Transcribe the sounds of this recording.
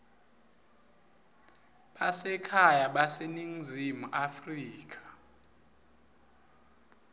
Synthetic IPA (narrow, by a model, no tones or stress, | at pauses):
ɓasɛkʰajaɓaseniŋzʱimuʔafriːk̬ʰʼḁ